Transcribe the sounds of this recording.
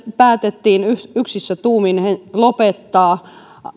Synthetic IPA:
pæːt̪et̪ːiːnyyksisːæt̪uːminhelopet̪ːɑː

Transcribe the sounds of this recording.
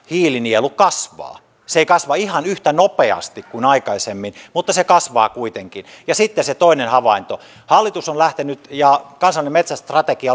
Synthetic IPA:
hiːlinielukkɑsʋɑ̰ː | seeikɑsʋɑihɑnyht̪ænopeɑ̰st̪ikkuinɑikɑisemːinmut̪ːɑsekɑsʋɑ̰ːkuit̪eŋkinjɑsit̪ːeset̪oinenhɑʋɑint̪o | hɑlːit̪usonlæht̪enyt̪jɑkɑnsɑlinemet̪sæst̪rɑt̪ekiɑ

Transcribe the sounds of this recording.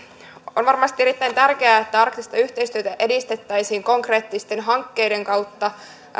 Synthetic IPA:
o̞nʋɑrmɑst̪ieɾit̪ːæjnt̪ærk̟e̞æːet̪ːæɑrkt̪ist̪ɑyçt̪e̞ist̪yøt̪æʔe̞dist̪e̞t̪ːæjsiːŋko̞ŋkre̞ːt̪ːist̪e̞nɦɑŋkːe̞jde̞ŋkɑwt̪ːɑ

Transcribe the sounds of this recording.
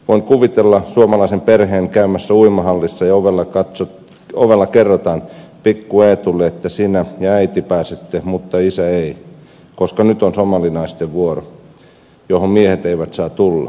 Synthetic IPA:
ʋoiŋkuʋit̪elːɑsuomɑlɑisemperheːŋkæymæsːæuimɑhɑlːisːɑjɑoʋelːɑkɑt̪so | oʋelːɑkerːot̪ɑnpikːueːt̪ulːeet̪ːæsiːnæjɑæit̪ipæːset̪ːehmut̪ːɑisæei | koskɑnyt̪onsomɑlinɑist̪eʋʋuoro̰ | johommiehet̪eiʋæt̪sɑːt̪ulːɑ̰

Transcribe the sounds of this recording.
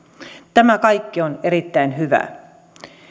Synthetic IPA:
t̪æmækɑjkːione̞ɾit̪ːæinɦyʋæ̰

